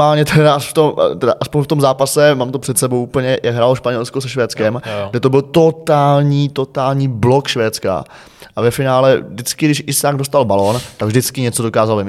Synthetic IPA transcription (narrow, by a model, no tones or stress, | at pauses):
aːlɲɛt̪ʰɛɾaʔft̪omt̪ɛdaʔaspoɲft̪o̞mzaːpasɛmaːmt̪o̞pr̥ɛt̪sɛbowʔupl̩ɲɛjakɡɦɾaːloʃpaɲɛlskosɛʃvɛːt͡skɛmɡɡdɛt̪o̞bɪlt̪o̞t̪aːlɲiːt̪o̞t̪aːlɲiːblo̞kʃvɛːt̪t͡ska̰ | ʔavɛfɪnaːlɛvdɪt͡skɪɡdɪʃʔɪsaːɡdost̪albalo̞ːnt̪aɡvʒdɪt͡skɪɲɛt͡so̞dokaːzaloɪm